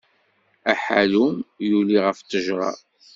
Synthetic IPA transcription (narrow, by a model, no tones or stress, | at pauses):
æħa̰lumjuliʁəft̪ːəʒɾˤɑ̰